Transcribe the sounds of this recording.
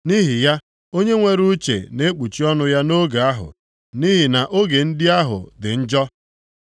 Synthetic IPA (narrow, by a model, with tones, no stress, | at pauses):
ni˦ɦi˨ja˦ | o˦ɲe˦ŋʷe˦ɾu˦t͡ʃḛ˨ne˦k͡pu˨t͡ʃi˦ɔ˦nʊ˦ja˦no˦ɡa˨a˦ɦʊ̰˨ | ni˦ɦi˨na˨ʔo˦ɡe˨n̩˦dɪ˦a˦ɦʊ̰˨dɪ˨n̩˦d͡ʒɔ˦